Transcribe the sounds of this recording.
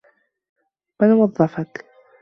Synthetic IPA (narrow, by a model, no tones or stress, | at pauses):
manwɑðˤːɑfak